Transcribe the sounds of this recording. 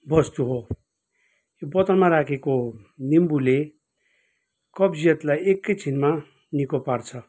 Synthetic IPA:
bʌst̪uɦo | obʌt̪ʌnmaɾakʰeko | nimbule | kʌbd͡zijʌt̪lajekːʌjt͡sʰinma | nikopart͡sʰʌ

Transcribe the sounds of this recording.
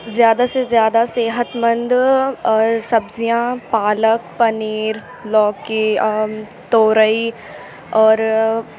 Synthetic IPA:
zjaːd̪asezjaːd̪aseːɦət̪mə̃nd̪ɔːɾsɐbzijãːpaːlək̚pɐniːɾ | lɔːki | t̪oːɾəi | ɔːɾ

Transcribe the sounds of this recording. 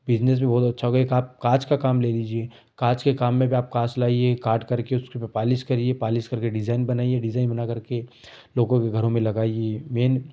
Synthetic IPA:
bɪd͡ʒnes̬mẽbɔːʊt̪ɐtːʃʰaɦoːɡaekaːp̚kaːt͡ʃkakaːmleːliːd͡ʒie | kaːt͡ʃkekaːmːẽbiaːp̚kaːt͡ʃlaːiekaːɾɖkɐɾkeʊskipɐpaːlɪʃkɐɾiepaːlɪʃkɐɾkeɖɪzaːɪnbɐnaːieɖɪzaːɪnbɐnaːkɐɾke | loːɡõkeɡʱɐɾõmẽlɐɡaːiemeːn

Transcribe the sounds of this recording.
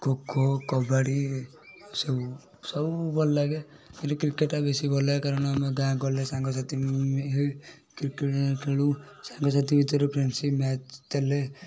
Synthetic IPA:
kokokɔbaɽi | sɔbu | sɔbubɔllaɡe | kintukɾikeʈːabesibɔlakaɾɔnamɔɡãɡɔlesãŋɡɔsat̪iɦoj | kɾikeʈkʰelu | saŋɡɔs̬at̪ibit̪ɔɾɔpʰɾensimat͡ʃt̪ele

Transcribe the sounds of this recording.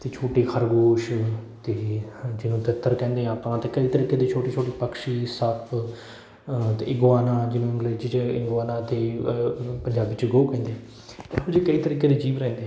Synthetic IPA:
t̪eːt͡ʃʰoːʈiːkʰəɾɡoːʃt̪eːd͡ʒɪnũːt̪ət̪ːəɾkɛ̃ːnd̪ẽːaːpãːt̪eːkəiːt̪əɾiːkeːd̪iːt͡ʃʰoːʈiːt͡ʃʰoːʈiːpəkʃiːsəpʰ | t̪ḛːɪŋɡʋaːnãːd͡ʒɪnẽːə̃ŋɡleːd͡ʒt͡ʃɪɡʋaːnãːt̪eː | pəɲd͡ʒaːbiːt͡ʃɡoːkɛ̃ːnd̪eɛ̃ | ʊd͡ʒeːkəiːt̪əɾiːkeːd̪eːd͡ʒiːʋɾɛ̃ːnd̪ẽː

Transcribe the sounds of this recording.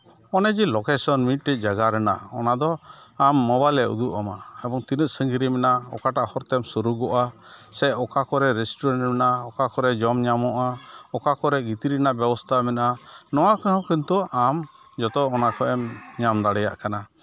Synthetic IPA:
ɔnɛd͡ʒilɔkɛsɔnmit̪̚ˀʈɛc̚ˀd͡ʒaɡaɾɛna̰ɔ̰nad̪ɔamːɔbalɛṵd̪uʔamaɛbɔŋt̪inət̪̚səŋɡiɾimɛnaɔ̰kaʈaʔhɔɾt̪ɛmsuɾuɡɔʔasɛɔkakɔɾɛɾɛsʈɔɾaɳʈmɛnaɔkakɔɾɛd͡ʒɔmɲamɔʔaɔkakɔɾɛɡit̪iɾinaʔbɛbɔst̪ʰamɛnaʔanɔwakəhɔ̃kənt̪ɔʔam | d͡ʒɔt̪ɔɔnakɔʔɛmɲamd̪aɽɛja̰ʔkana

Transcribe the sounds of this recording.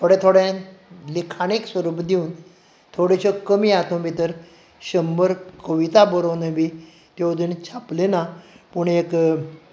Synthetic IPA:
t̪ʰoɽɛ̃t̪ʰoɽɛ̃likʰaɽ̃eksʋəɾubd̪iũːn | t̪ʰoɽeɕɔkəmiat̪õbit̪əɾ | ɕəmbəɾkəʋit̪abəɾonəbi | t̪ed̪ənt͡ɕʰaplena | puɳek

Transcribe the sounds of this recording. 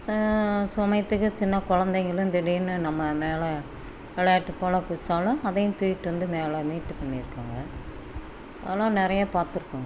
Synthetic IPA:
sʊmɐɪt̪ːɯkːɯt͡ʃɪnːɐkʊɻɐnd̪ɐŋɡɐɭɯ̃nd̪ɪɽɪjɯnːɯnɐmːɐmeːlɛ | ʋɛlɐjaːʈːɯpːoːlɐkʊsaːlʊ̃ɐðɐjɯ̃t̪uːjɪʈːɯʋɐnd̪ɯmeːlɛmiːʈːɯpɐɳːɪɾɯkːaːŋɡɐ | ðɐlːãːnɪɾɐjɐpaːɾt̪ɯɾɯkːʊ̃ːŋɡɐ

